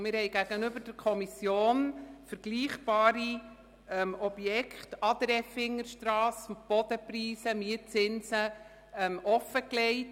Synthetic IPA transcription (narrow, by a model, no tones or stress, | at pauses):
mɪɾhɛɪjɡæɡənʏbəɾd̥əɾkʰɔmisjoːnfəɾɡ̥liːχb̥ɑːɾi | ɛmɔb̥jɛkχtɑd̪ɾɛfɪŋːəɾʃtɾɑːsb̥ɔd̥əpriːsəmiət͡sɪnsə | ɛmɔfəklɛɪt